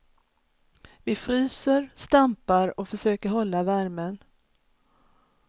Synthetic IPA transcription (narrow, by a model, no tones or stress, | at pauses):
vɪfɾyːsəɾst̪ampaɾɔfœʂøːkəɾɦɔlːavæɾmən